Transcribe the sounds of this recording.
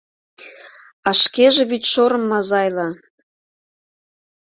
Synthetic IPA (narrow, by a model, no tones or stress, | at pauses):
ɑʃkeʒĕβyt̪ʃoɾə̆mːɑzɑjlɑ